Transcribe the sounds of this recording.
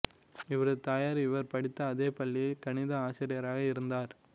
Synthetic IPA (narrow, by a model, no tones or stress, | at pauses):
ɪʋɐɾɯt̪aːjaːɾɪʋɐɾpɐɽɪt̪ːɐːðeːpɐlːilkɐɳɪðɐaːt͡ʃɪɾɪjɐɾaːɣɐɪɾɯnd̪aːɾ